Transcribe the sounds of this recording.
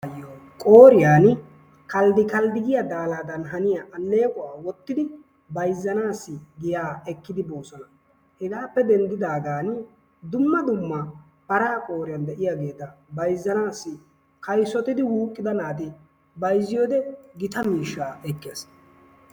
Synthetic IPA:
jokʼoːɾɪjaːn | kɐld̪ɪkɐld̪ɪɡɪjad̪aːlaːd̪ɐnɦɐnɪjaʔɐnːe̞ːkʼʊwaːwɔt̪ːɪd̪ɪ | bɐjzːɐnaːsːɪɡɪjaːɛkːɪd̪ɪbo̞ːsɔnɐ | hɪɡaːpːɛd̪ɛnd̪ɪd̪aːɡaːn | d̪ʊmːɐd̪ʊmːɐ | pɐɾaːkʼo̞ːɾɪjɐnd̪ɛʔɪjaːɡe̞ːt̪ːɐbɐjzːɐnaːsːɪ | kɐjsɔt̪ɪd̪ɪwuːkʼːɪd̪ɐnaːt̪ɪ | bɐjzːɪjoːd̪ɛɡɪt̪ɐmiːʃːaːɛkːeːs

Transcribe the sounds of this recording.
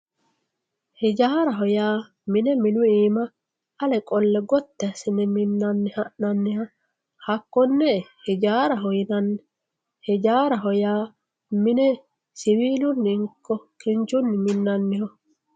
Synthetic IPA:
hɪd͡ʒaːɾɐɦɔjaː | mɪnɛmɪnʊiːmɐ | ɐlɛkʼɔlːɛɡɔt̪ːɛɐsɪnɛmɪnːɐnːɪhɐʔnɐnːɪhɐ | hɐkːɔnːɛhɪd͡ʒaːɾɐɦɔjɪnɐnːɛ | hɪd͡ʒaːɾɐɦɔjaː | mɪnɛ | sɪwiːlʊnːɪŋkːɔkɪnt͡ʃʊnːɪmɪnːɐnːɪhɔ

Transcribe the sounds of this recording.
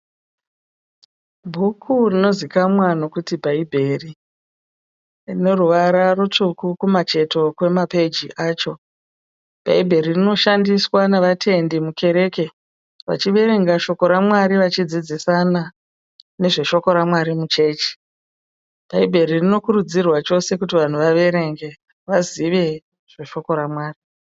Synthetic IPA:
bʱukʰurino̞zikamwano̞kutibʱaibʱe̞ri | rine̞ruʋaɾarut͡ʂukukumat͡ʃe̞to̞kwe̞mape̞d͡ʒiʔaːt͡ʃo̞ | b̥ʱa̰ibʱe̞ɾirino̞ʃandiswaneʋatʰe̞ndimukʰe̞ɾe̞ke̞ | ʋa̰t͡ʃiʋe̞ɾe̞ŋɡaʃo̞ko̞ɾamwaɾiʋat͡ʃid͡zid͡zisana | ne̞ʐe̞ʃo̞ko̞ɾamwaɾimut͡ʃe̞ːt͡ʃe̥ | b̥ʱaibʱe̞ɾirino̞kuɾud͡zirwat͡ʃo̞se̞kutiʋan̤uʋaʋe̞ɾe̞ŋɡe̞ | ʋaziʋe̞ | ʐ̥e̞ʃo̞ko̞ɾamwaːri

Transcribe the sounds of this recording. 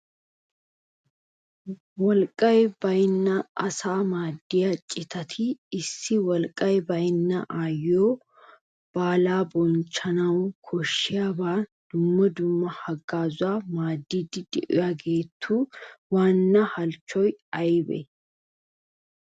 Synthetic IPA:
wɔlkʼːɐjb̥ɐjnːɐɐsaːmaːd̪ːɪjɐt͡ʃʼɪt̪ʰɐt̪ʰɪːsːɪwɔlkʼɐjbɐjnːɐʔaːjoː | b̥aːlaːbɔnt͡ʃːɐnɐwkʰɔʃːɪjaːbaːd̪̥ʊmːɐd̪ʊmːɐhɐɡːaːzʊwaːmaːd̪ːiːd̪ɪd̪ɛʔʊ̰jaɡe̞ːt̪ʰːuːwaːnːɐhɐlt͡ʃːɔjɐjbɛ̰

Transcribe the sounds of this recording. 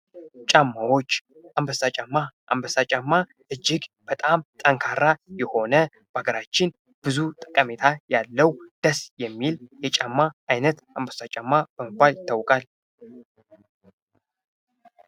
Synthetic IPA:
t͡ʃʼamːawo̞t͡ʃː | ʔambəsat͡ʃʼamːaʔa̰mbəsat͡ʃʼamːa | ʔɨd͡ʒːɪɡb̥ət̪ʼamt̪ʼəŋkʰaɾːajɛho̞nə | b̥əaɡəɾat͡ʃːɪn | b̥ɨzut̪ʼə̥kʼəmet̪ʰajalːəwd̪̥əsjɛmːiljɛt͡ʃʼamːaʔajnət̪ambəsat͡ʃʼamːab̥əməbːalt̪ʰawkʼal

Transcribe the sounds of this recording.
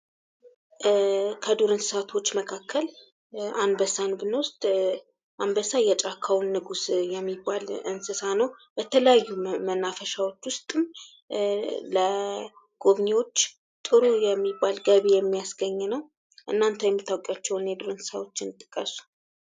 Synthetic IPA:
kʰəd̪uɾɨnssat̪ʰo̞t͡ʃːməkʰakʰːəl | anbəsanbɨnəwʊst̪ʼ | ʔanbəsajɛt͡ʃʼakʰawnːɨɡusjɛmːibːalɨnsɨsanəwb̥ət̪ʰələjajːumənːafəʃawo̞t͡ʃːwʊst̪ʼɨm | lə | ɡ̥oβɲiwo̞t͡ʃː | t̪ʼɨɾujɛmːibːalɡəβejɛmːijasɡəɲːnəw | ʔɨnːant̪ʰəjɛmːɨt̪ʰːawokʼjat͡ʃːɛwnjɛd̪uɾɨnsɨ̥sawo̞t͡ʃːɪnt̪ʼɨkʼːəsu̥

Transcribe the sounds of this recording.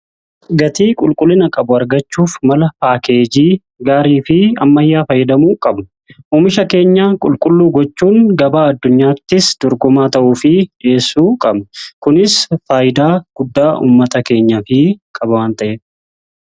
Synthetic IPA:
ɡɐt̪iːkʼʊlkʼʊlːɪnɐkʼɐbʊɐɾɡɐt͡ʃːuːfmɐlɐpaːkeːd͡ʒiː | ɡaːɾiːfɪɐ̰mːɐjːaːfɐjːɛd̪ɐmuːkʼɐbnʊ | uːmɪʃɐke̞ːɲːaːkʼʊlkʼʊlːuːɡɔt͡ʃːuːŋɡɐbaːɐd̪ːʊɲːaːt̪ːɪsd̪̥ɔɾɡʊmaːt̪ɐʔuːfɪe̞ːsːuːkʼɐbnkʊnɪsfaːjɪd̪aːɡ̥ʊd̪ːaːʔṵːmːɐt̪ɐke̞ːɲːɐfɪkʼɐbɐwaːnt̪ɐʔeː

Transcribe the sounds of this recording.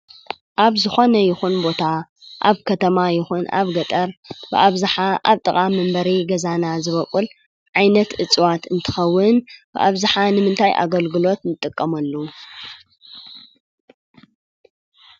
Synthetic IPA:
ʔaβzɨxo̞nɐjɪxunbo̞t̪ʰa | ʔaβkʰɐt̪ʰɐmajɪxuna̰βɡɐt̪ʼɐɾbɨ̰ʔaβzɨħaʔaβt̪ʼɨkʼamːɨmbɐɾiɡɐzanazɨβɐkʼul | ʕajnɐt̪ʔɨt͡sʼwat̪ɨnt̪ʰɨ̥xɐwːɨnb̥ɨ̰ʔaβzɨħanɨmɨnt̪ʰajʔa̰ɡɐlɡɨlo̞t̪nɨt̪ʼːɨkʼːɐmɐlːu

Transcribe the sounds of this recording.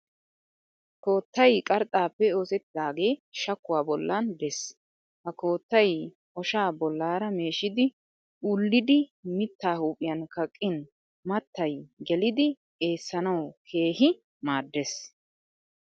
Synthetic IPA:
ko̞ːt̪ːɐjkʼɐɾt̪ʼaːpːɛo̞ːsɛt̪ːɪd̪aːɡe̞ːʃɐkːʊwaːbɔlːɐnd̪ɛs | hɐko̞ːt̪ːɐj | ʔɔʃaːbɔlːaːɾɐme̞ːʃɪd̪ɪ | ulːɪd̪ɪmɪt̪ːaːhuːpʼɪjɐnkɐkʼːɪn | mɐt̪ːɐjɡɛlɪd̪ɪ | e̞ːsːɐnɐwkʰeːɦɪ | maːd̪ːes

